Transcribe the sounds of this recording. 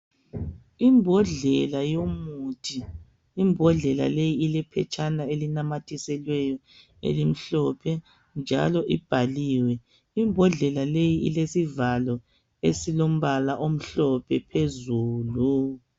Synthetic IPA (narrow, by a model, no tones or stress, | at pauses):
imbʱɔɮɛlajomutʰiː | mbʱɔɮɛla̰lejiːlɛpʰɛ̰t͡ʃʰʼanaelinamatʰisɛlwɛjɔ | ḛlim̩ɬɔpʰɛ | nd͡ʒʱa̰lɔʔib̥ʱaliːwɛ | imbʱɔɮɛlalejiʔḭlesivalɔ | esilom̩βalaʔom̩ɬɔpʰɛpʰezuːlu